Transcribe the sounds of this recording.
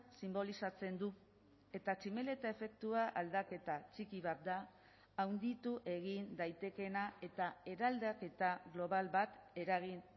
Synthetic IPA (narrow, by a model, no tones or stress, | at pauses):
simbo̞lisat͡se̞nd̪u | e̞t̪at͡ʃime̞le̞t̪ae̞fe̞k̚t̪uaʔald̪ake̞t̪at͡sikiβ̞at̪̚d̪aː | wnd̪it̪uʔe̞ɣind̪ajt̪e̞ke̞nae̞t̪ae̞ɾald̪ake̞t̪aɣlo̞βalβat̪e̞ɾaɣin